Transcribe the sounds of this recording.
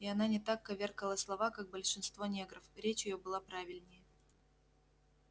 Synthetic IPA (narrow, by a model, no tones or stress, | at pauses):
ɪɐnanʲɪt̪akːɐvʲerkəlˠəslˠɐvakak̚bəlʲʂɨnst̪vonʲeɡɾəfɾʲet͡ɕjɪjobɨlˠapɾavʲɪlʲnʲɪjə